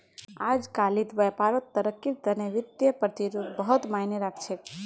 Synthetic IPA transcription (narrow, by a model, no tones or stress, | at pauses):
ad͡ʒkalit̪ʋəpaɾət̪ːəɾəkːit̪əneʋɪt̪jəpɾət̪iɾud̪bəɦut̪manəɾakʰt͡ʃʰe